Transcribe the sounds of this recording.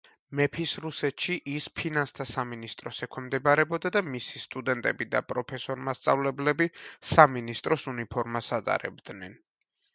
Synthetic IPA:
mɛpʰisɾusɛt̪ʃiʔispʰinanst̪ʰasaminist̪ʼɾɔsɛkʰwɛmd̪ɛbaɾɛbɔd̪ad̪amisist̪ʼud̪ɛnt̪ʼɛbid̪a̰pʼɾɔpʰɛsɔɾmast̪sʼavlɛblɛbisaminist̪ʼɾɔsunipʰɔɾmasat̪ʼa̰ɾɛ̰bd̪̥nɛn

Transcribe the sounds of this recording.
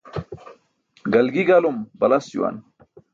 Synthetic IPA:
ɡɐlɡiɡalumbɐlɐsṵwa̰n

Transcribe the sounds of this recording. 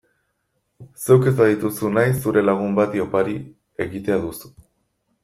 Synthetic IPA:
se̞wke̞zt̪aðit̪usunajs̬ːuɾe̞laɣ̞umbat̪io̞paɾi | e̞ɣit̪e̞aðusu̥

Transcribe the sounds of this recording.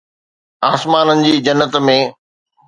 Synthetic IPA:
aːsmaːnənɪ̆d͡ʑiːd͡ʑɐnːət̪mẽː

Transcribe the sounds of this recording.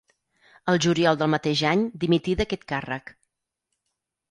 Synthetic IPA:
əlˠʒuɾiɔlˠd̪əlˠmət̪eʒaɲd̪imit̪iðəkɛt̪karə̰k

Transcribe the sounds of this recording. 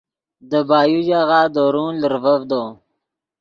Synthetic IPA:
d̪əbaːjud͡ʒaɣaːd̪oɾũːləɾvəvd̪o

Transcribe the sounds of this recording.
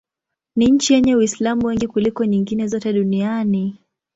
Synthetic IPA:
niɲ̩t͡ʃijɛɲɛwislamuwɛŋɡikulikɔɲiŋɡinɛzɔtɛɗuniani

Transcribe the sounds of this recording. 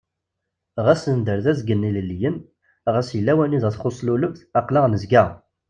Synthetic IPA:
ʁæsənd̪əɾðæzɡənːiləlːjən | ʁæsjəlːæwæniðæθχosˤluləvθɑqliʁnəzɡə

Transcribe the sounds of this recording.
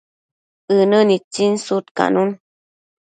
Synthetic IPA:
ənənit͡sinsut̪ka̰nun

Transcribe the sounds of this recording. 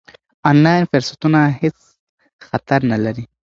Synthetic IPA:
ɔnlɑjnfɪɾsat̪unahet͡s | xat̪aɾnalaɾi

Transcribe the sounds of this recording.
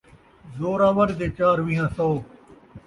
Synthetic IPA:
zoːɾaːʋəɾd̪eːt͡ʃaːɾʋĩːɦãːsɔː

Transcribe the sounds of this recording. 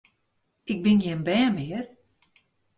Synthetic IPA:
ɪk̚bɪnjɪənbɛːmɪər

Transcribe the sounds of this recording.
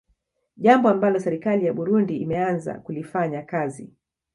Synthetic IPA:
ʄambɔambalɔsɛɾikalijaɓuɾundiːmɛanza̰kulifaɲakazi

